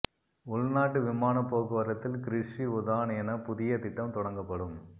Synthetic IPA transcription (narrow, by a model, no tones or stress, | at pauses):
ʊɭnaːʈːɯʋɪmaːnɐpːoːɣɯʋɐɾɐt̪ːɪlkɪɾɪʂiʊðaːnɛnɐpʊðɪjɐt̪ɪʈːɐmt̪ɔɽɐŋɡɐpːɐɽɯm